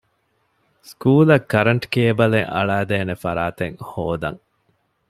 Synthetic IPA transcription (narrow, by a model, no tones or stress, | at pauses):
skuːlɐkːɐɾɐɳʈkeːbɐleŋɐ̰ɭæːd̪eːnefɐɾaːt̪eŋhoːd̪ɐ̰ŋ